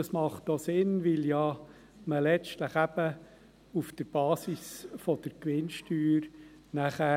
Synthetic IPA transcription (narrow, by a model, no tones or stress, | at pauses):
ɑsmɑχt̪osɪnʋɪljɑ | məlɛt͡stləχæb̥ə | ufd̪̥əɾb̥ɑːsisfɔd̪̥əɾkʋɪnʃtyːɾ | næχæ